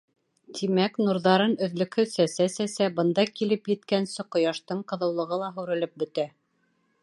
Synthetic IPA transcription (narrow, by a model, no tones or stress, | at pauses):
t̪ʰimæknuɾðɑɾɤnɵ̆ðlɵ̆kʰɵsæsæsæsæbɤ̆nd̪ɑkilɘpjɘ̆t̪kænsɘqŏjɑʃt̪ɤɴqɤ̆ðɤ̆wlˠɤ̆ʁɤlˠɑɦʉɾɘ̆lɘp̚bɵ̆t̪æ